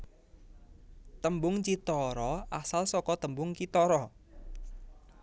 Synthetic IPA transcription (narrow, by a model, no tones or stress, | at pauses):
t̪əmbʊŋt͡ʃit̪ɔɾɔasalsɔkɔt̪əmbʊŋt͡ʃit̪ɔɾɔ